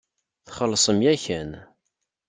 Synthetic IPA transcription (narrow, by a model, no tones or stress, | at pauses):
θχəlːsˤəmjæçæn